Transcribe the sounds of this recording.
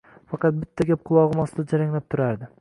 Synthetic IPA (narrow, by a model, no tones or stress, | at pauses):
fɑqɑt̪̚bɪt̪ʰːaɡʲap̚qʰʊlˠɒʁɨmɒsd̪ad͡ʒaɾaŋlap̚t̪ʰʊɾaɾd̪ɪ